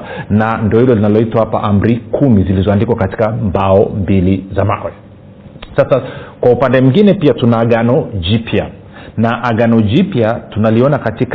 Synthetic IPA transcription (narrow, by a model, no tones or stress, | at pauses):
nandiɔhilɔlinalɔitwahapa̰ʔam̩ɾikʰumizilizɔandikwakati̥kambaɔmbilizamaʔwɛ | sasakwaupandɛmuŋɡinɛpiatunaːɠanɔd͡ʒipia | naʔaɠanɔd͡ʒipjatunaliɔnakatik